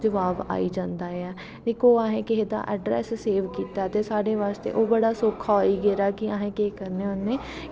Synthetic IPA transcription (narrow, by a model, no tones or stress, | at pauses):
d͡ʒəʋaːba̰ːid͡ʒãːnd̪aːɦɛː | d̪eːkʰoːaːɦɛ̃keɦed̪a̰ʔɛ̰ːɖɾɛ̰ːsseːʋkiːt̪aɛt̪esaːɽɖeʋaːst̪ḛːʔoːbəɽaːsoːkʰaoiːɡeːɾaːkiãːɦẽːkeːkəɾneʊnːẽː